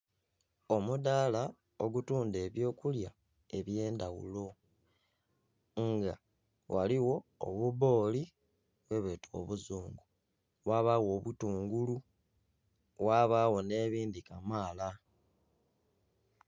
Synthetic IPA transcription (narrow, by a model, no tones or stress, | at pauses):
o̞mudala | oɡutuːnde̞ːβjo̞ːkulja | e̞βje̞ːndawṵlo̞ | ŋɡa | wa̰liwo̞o̰βuβo̞ːli | βwe̞βetwo̞̰βuzuːŋɡu | βwaβawo̞ːβutuːŋɡulu | waβawo̞ne̞ːβiːndikamaːla